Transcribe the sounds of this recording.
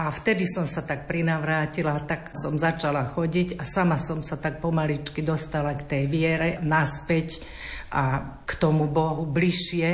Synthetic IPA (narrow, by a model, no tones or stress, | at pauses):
ʔaft̪ɛd̪isɔmsat̪ak̚pɾinaʋɾaːcilat̪aksɔmzat͡ʃalaxɔɟicasamasɔmsat̪ak̚pɔmalit͡ʃkid̪ɔst̪alakt̪ɛjʋɪɛɾɛnaspɛc | ʔakt̪ɔmubɔɦubliʃɪɛ